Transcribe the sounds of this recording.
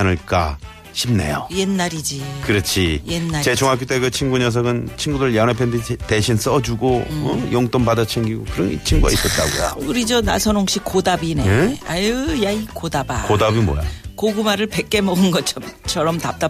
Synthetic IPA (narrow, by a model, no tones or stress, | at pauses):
nɯɭk͈a̰ | ɕʰimnḛjo̰jenːaɾid͡ʑikɯɾʌt͡ɕʰijenːat͡ɕet͡ɕʰoŋakʰit͈eɡɯt͡ɕʰinɡuɲʌs̬ʰʌɡɯnt͡ɕʰinɡudɯɭjʌnapʰenditeɕʰins͈ʌd͡ʑuɡomʌjoŋt͈oŋbadat͡ɕʰeŋɡiɡo̰kɯɾʌnt͡ɕʰiŋɡuɡa̰is͈ʌt̚t͈a̰ɡo̰jo̰kɯɾid͡ʑona̰sʰʌnoŋɕ͈ik͈odabineajɯjaikodaba̰kodabimo̰ja̰koɡumaɾɯɭpe̞k͈̚e̞mʌɡɯnɡʌt͡ɕʰʌmt͡ɕʰʌɾʌmtap̚t͈a